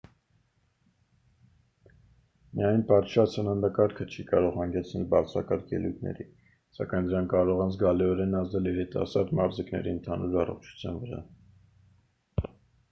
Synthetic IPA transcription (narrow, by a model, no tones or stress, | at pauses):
mijɑjnpɑɾʃʰɾɑt͡sʰhənɑnd̪ɑkɑɾkʰət͡ʃʰikɑɾɔʁhɑŋɡɛt͡sʰnɛlbɑrt͡sʰɾɑ̰kɑɾkʰjɛ̰lujt̪̚ʰnɛ̰ɾi | sɑ̰kɑjnd̪əɾɑŋkːɑɾɔʁɑnzɡɑliɔɾɛnɑzd̪ɛliɾit̪ɑ̰sɑɾd̪mɑɾziknɛ̰ɾiənt̪ʰɑnuɾɑrɔ̰χt͡ʃʰu̥t͡sʰjɑ̰nvəɾɑ̰